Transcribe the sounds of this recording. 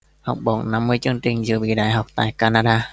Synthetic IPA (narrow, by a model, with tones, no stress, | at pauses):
hɔ˨˩wk͡p̚ɓɔ̰˧˩nna˧˦mːɨ˧əjt͡ɕɨ˧əŋt͡ɕï˧˩ŋ̟zɨ̰˧˩əɓḭ˧˨ɗaː˧˨jɦa˨˩wk͡p̚t̪a̰ː˧˨jkaː˧naː˧ɗaː˧